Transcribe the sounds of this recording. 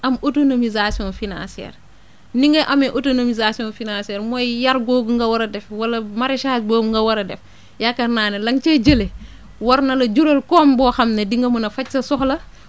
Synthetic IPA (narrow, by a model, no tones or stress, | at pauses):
ɐmotonomizasiɔ̃nfinã̰siɛ̰ːɾ | niŋɡeʔɐmeʔotonomizasiɔ̃ːnfinãnsɛːɾmojjɐɾɡoːɡŋɡɐwɐɾɐdɛfwɐlɐmaɾeʃaːsboːŋɡɐwɐɾɐdɛf | jakːɐɾnaːnelɐŋt͡ʃeɟəle | wɐɾnɐlɐɟuɾolkɔːmbɔːxɐmnɐdiŋɡɐmɐnɐfɐcsɐsɔxlɐ